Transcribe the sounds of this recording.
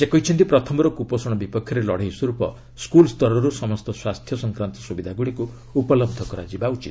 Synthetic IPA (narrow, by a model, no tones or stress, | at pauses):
sekɔit͡ʃʰɔnt̪ipɾɔt̪ʰɔmɔɾɔkupɔsɔɽ̃ɔbipɔkʰːjɔɾelɔɽ̤eɦisuɾupɔ̰ | skulst̪ɔɾɔɾusɔmɔst̪ɔswast̪ʰjɔsɔŋkɾant̪ɔ̥subid̪ʱaɡuɽikuː | pɔlɔb̚d̪ʱɔkɔɾa̰d͡ʒibaut͡ʃḭt̪̚